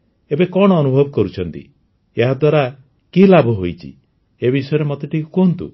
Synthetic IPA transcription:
ebekɔɽ̃ɔːnubʱɔbɔkɔɾut͡ʃʰɔnt̪ḭ | eɦad̪waɾa | kilabʱuɦojt͡ʃʰḭ | ebisɔjɔɾemɔt̪eʈʰikukont̪ṵ

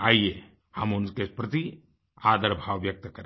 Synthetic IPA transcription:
aːie | hɐmʊnkepɾɐt̪i | aːd̪əɾbʱaːʋːjɐk̚t̪kɐɾe

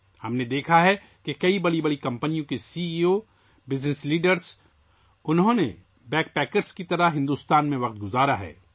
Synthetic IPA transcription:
hɐmned̪eːkʰaɦɛ | kekɐibɐɽibɐɽikɐ̃mpənijõkesiːiːo | bɪznɪsliːɖəɾz | ʊnɦõnḛ | bɛːk̚pɛːkəɾskit̪ɐɾaɦɪ̃nd̪uːst̪aːnmẽʋɐq̚t̪̚ɡʊzaːɾaɦɛ̰ː

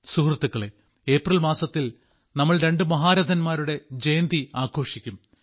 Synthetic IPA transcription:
sukrɐt̪ːukːɐɭe | e̞ːprɐlmaːsɐt̪ːil | nɐmːɐɭɾe̞ɳɖɨmɐɦaːɾɐd̪ʱɐnmaːɾuɽe̞d͡ʑejnd̪iaːkʰo̞ːʂikʲːum

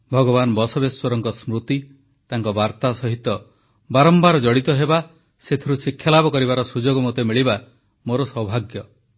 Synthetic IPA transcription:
bʱɔɡɔbanɔbɔsɔbeswɔɾɔŋkɔsmɾut̪i | t̪aŋkɔbaɾt̪asɔɦit̪ɔ | baɾɔmbaɾɔd͡ʒɔɽit̪ɔɦeba | set̪ʰiɾusikʰːjalabɔkɔɾibaɾɔsud͡ʒoɡɔmot̪emiɭiba | moɾɔsɔwbʱaɡjɔ

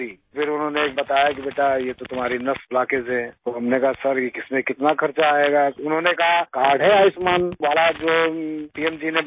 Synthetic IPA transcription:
i | pʰɪɾʊnɦõnekbɐt̪aːjak̬ibeːʈajet̪ot̪ʊm̤aːɾinɐslaːkesɦɛ̃ːt̪oːɦɐmnekaɦasɐɾekɪsmẽkɪt̪nakʰɐɾt͡ʃaːeːɡaʊnɦõːnekɐɦakaːɽɦɛaːɪsmaːnʋaːlad͡ʒoːpiɛmd͡ʒine

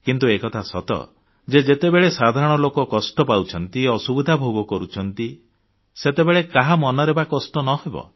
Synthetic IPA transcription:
kint̪uekɔt̪ʰasɔt̪ɔ̰ | d͡ʒed͡ʒet̪ebeɭesad̪ʱaɾɔɽ̃ɔlokɔkɔsʈɔpawt͡ʃʰɔnt̪iɔsubid̪ʱabʱoɡɔkɔɾut͡ʃʰɔnt̪i | set̪ebeɭekaɦamɔnɔɾebakɔsʈɔnɔɦebɔ̰

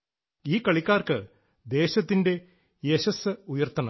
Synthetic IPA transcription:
iːkɐɭikʲːaːrkɨ | d̪e̞ːɕɐt̪ːinde̞ | jeɕɐsɨujɐrt̪ːɐnɐ

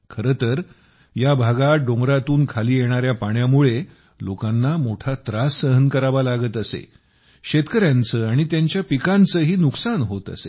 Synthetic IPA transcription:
kʰəɾət̪əɾ | jabʱaɡaɖõŋɡɾat̪uːnkʰaliːjeɽ̃aɾjapaɽ̃jamuɭe | lokãnːamoʈʰat̪ɾasːəɦənkəɾaʋalaɡət̪əsḛ | ɕet̪kəɾjãnt͡səːaɽ̃it̪jaɲt͡ɕjapikãnt͡səːɦiːnuksanɦot̪ə̰sḛ

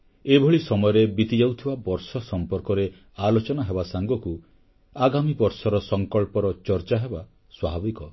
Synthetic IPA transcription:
ebʱɔɭisɔmɔjɔɾebit̪id͡ʒawt̪ʰibabɔɾsɔsɔmpɔɾkɔɾe | alot͡ʃɔnaɦebasaŋɡɔku | aɡamibɔɾsɔɾɔsɔŋkɔɭpɔɾɔt͡ʃɔɾt͡ʃaɦeba | swaɦabikɔ

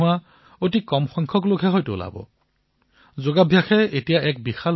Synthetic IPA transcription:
ʊwa | ot̬ikɔmxɔŋkʰɔklokʰɛɦɔjtʊʊ̰la̰bɔ̰ | zoɡabʱjaxɛetijaʔɛk̚bixal

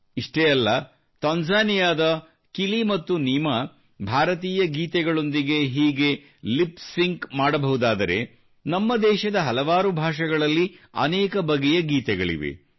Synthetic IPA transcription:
iʂʈejɐlːɐ | t̪ɐnd͡ʒaːnijaːd̪ɐ | kilimɐt̪ːunima | bʱaːɾɐt̪iːjɐɡiːt̪ɛɡɐɭo̞nd̪iɡe̞ɦiːɡe̞ | lipsiŋkmaːɽɐbɐɦud̪aːd̪ɐɾe̞̰ | nɐmːɐd̪ɛːʃɐd̪ɐɦɐlɐʋaːɾubʱaːʂɐɡɐɭɐlːiɐ̰nɛːkɐbɐɡɛjɐɡiːt̪ɛɡɐɭḭʋḛ

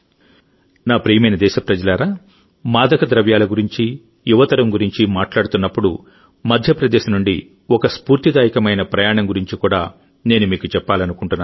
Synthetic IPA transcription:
naːpɾiːjmɐjnɐd̪ɛːʃɐpɾɐd͡ʒɐlaːɾaː | maːd̪ɐkɐd̪ɾɐʋjaːlɐɡuɾiɲt͡ʃi | juʋɐt̪ɐɾɐmɡuɾiɲt͡ʃimaːʈlaːɽut̪unːɐpːuɽu | mɐd̪ʱjɐpɾɐd̪eːʃɐnuɳɖi | ɔkɐspuːɾt̪id̪aːjikɐmɐjnɐpɾɐjaːɳɐmɡuɾiɲt͡ʃikuːɽaː | ne̞ːnumiːkut͡ʃɛpːaːlɐnukuɳʈunːaː

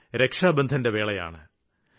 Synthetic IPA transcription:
ɾe̞kʂaːbɐnd̪ʱɐnde̞ʋe̞ːɭɐja̰ːɳɨ

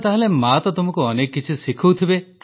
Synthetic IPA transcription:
t̪aɦelemat̪ɔt̪umɔkuɔnekːit͡ʃʰisikʰuwt̪ʰibek

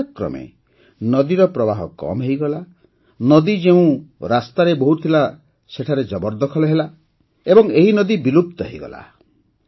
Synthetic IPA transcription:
kɾɔ̰mḛ | nɔd̪iɾɔpɾɔbaɦɔkɔ̰mɦejɡɔla | nɔd̪id͡ʒeũɾast̪aɾeboɦut̪ʰila | seʈʰaɾed͡ʒɔbɔɾd̪ɔkʰɔlɔɦela | ebɔŋeɦinɔd̪ibilup̚t̪ɔɦeiɡɔ̰la̰

